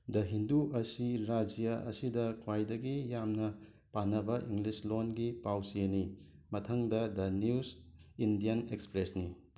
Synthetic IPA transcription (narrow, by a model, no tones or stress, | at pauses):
dɐɦinduʔɐsiɾad͡ʒijaɐ̰sidɐkʰwajdɐɡijamnɐ | panːɐbɐʔiŋɡlislonɡipawsieni | mɐtʰɐŋdɐdɐniusindijɐnekspɾesni